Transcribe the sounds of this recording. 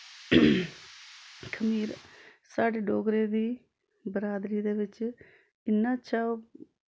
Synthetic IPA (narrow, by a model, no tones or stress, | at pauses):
kʰəmiːɾ | saːɖeːɖoːɡɾeːd̪iː | bəɾaːd̪ɾiːd̪eːʋɪt͡ʃ | ɪnːãːt͡ʃʃʰaːoː